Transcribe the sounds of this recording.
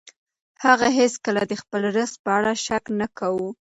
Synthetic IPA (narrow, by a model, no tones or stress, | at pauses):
haɣaɦeskəlad̪əxpəlɾəs̚pəaɽaʃaknakawu